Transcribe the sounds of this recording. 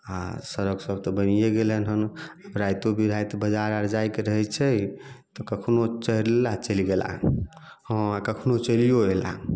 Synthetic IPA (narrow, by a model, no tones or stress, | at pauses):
a̰səɾəɡsəb̚t̪ɔbənijeɡelənɦənaɾajt̪obʱiɾajt̪bəd͡ʒaɾəɾd͡ʒajkeɾəɦɛt͡ʃʰɛt̪ɔkəkʰnot͡ʃəɦɾlat͡ʃəliɡela̰ | hə̃akəkʰnot͡ʃəlijoela̰